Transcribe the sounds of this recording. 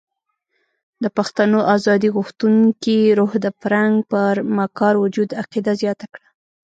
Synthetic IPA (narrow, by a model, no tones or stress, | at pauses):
d̪əpaxt̪anoʔazɑd̪iɣuxt̪uŋkiɾohd̪əpɾaŋɡpəɾmakɑɾwʊd͡ʒud̪aqid̪azjɑt̪akɽa